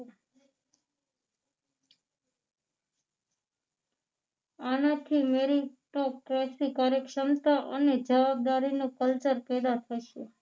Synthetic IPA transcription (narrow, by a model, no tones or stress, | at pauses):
anat̪ʰimeɾiʈokɾesɾikaɾekʃəmt̪aʔəned͡ʒəʋab̚d̪aɾinũkəlt͡ʃəɾpɛd̪at̪ʰəʃe